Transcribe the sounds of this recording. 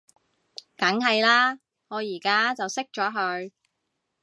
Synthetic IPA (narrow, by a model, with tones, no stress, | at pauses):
kɐ˨˥ŋɦɐ˨jlaː˥ | ŋɔː˨˧jiː˨˩kaː˥t͡sɐ˨wsɪ˥k̚t͡ʃɔː˨˥ɦɵ˧ɥ